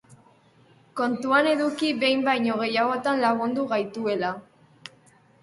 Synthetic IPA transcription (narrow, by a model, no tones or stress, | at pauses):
ko̞nt̪uane̞ðukiβe̞jmbajɲo̞ɣ̞e̞jaɣo̞t̪anlaɣ̞und̪uɣajt̪ue̞la